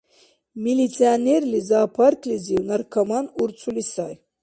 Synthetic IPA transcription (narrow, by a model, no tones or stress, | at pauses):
milit͡sʰianɛɾlizaːpʰarkʰliziwnarkʰamanuɾt͡sʰulisaj